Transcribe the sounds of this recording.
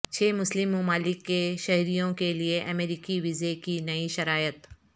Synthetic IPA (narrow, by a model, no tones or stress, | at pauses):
t͡ʃʰeːmʊslɪmʊmaːlɪkːeʃɐɦɾijõkelieʔɐmeːɾikiʋɪzekinɐiʃɐɾaːjət̪